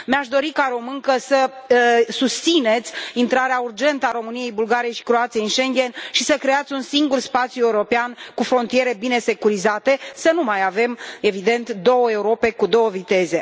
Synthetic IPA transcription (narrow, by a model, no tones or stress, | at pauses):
meaʃd̪o̞ɾikaɾo̞mɨŋkəsə | sust̪sine̞t̪sʲint̪ɾaɾeaurd͡ʒe̞nt̪əaɾo̞mɨnije̞jbulɡaɾijeʃi̥kɾo̞at̪sijeinʃe̞ŋɡʲe̞nʃisəkɾe̞at̪sʲunsiŋɡurspat̪sjue̞uɾo̞peankufɾo̞nt̪ije̞ɾe̞bine̞se̞kuɾizat̪e̞sənumajave̞me̞vid̪e̞nt̪d̪o̞wəe̞uɾo̞pe̞kud̪o̞wəvit̪e̞ze̞